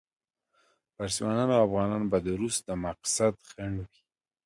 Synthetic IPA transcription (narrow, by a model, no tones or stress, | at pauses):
paɾsiwɑnɑnawafɣɑnɑnbad̪əɾusd̪əmaqsad̪xaɳwi̥